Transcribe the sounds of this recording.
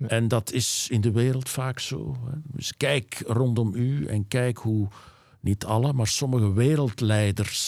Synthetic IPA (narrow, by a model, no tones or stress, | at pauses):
ɛndɑtʰɪsɪndəʋeːɾəlˠtfaːkso̰ːɦɛɪ̰skɛjkrɔndɔmyɛ̰nkɛjkɦu | nitʰɑləmaːrsɔməɣəʋeːɾəlˠtlɛjdərs